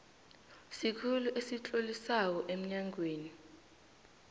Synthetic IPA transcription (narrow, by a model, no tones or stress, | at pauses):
sikʰuluʔesit͡ɬʼolisak̬ɔʔem̩ɲaŋweːni